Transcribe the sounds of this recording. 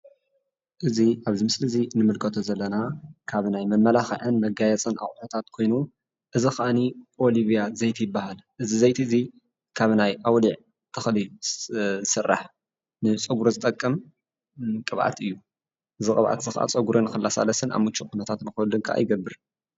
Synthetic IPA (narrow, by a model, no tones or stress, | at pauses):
ʔɨziʔaβzimɨslɨzinɨmɨlkʰɐt̪ʰozɐlːɐnakʰaβnajmɐmːɐlaxɐ̰ʕɨnmɐɡajɛt͡sʼɐnʔa̰χʼħot̪ʰat̪kʰo̞jnu | ʔɨzixaʔanioliβijazɐjt̪ʰijɪbːahalʔɨzizɐjt̪ʰiɨzi | kʰaβnajʔawliʕ | t̪ʰɐxli | zɨsɨrːa̰ħ | nɨt͡sʼɐɡuɾozɨt̪ʼɐkʼːɐm | kʼɨβʔa̰t̪ʰɨjːu | ʔɨzɨkʼɨβʕʔa̰t̪z̥ɨxa̰ʔa̰t͡sʼɐɡuɾonɨxɨlːasa̰lɐsɨna̰βmut͡ʃʼːukʰunɐt̪ʰat̪nɨxɐlɨŋkʰaʔa̰jɡɐbːɨɾ